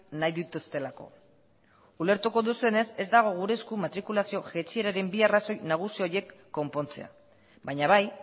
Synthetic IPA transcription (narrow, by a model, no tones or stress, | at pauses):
najðit̪ust̪e̞lako̞̰ | ule̞ɾt̪uko̞ðusue̞ne̞se̞zd̪aɣ̞o̞ɣ̞uɾe̞skumat̪ɾikulasio̞ʝe̞t͡ʃie̞ɾaɾe̞mbiaraso̞jnaɣ̞usio̞je̞kːo̞mpo̞nt͡se̞̰a̰ | baɲaβaj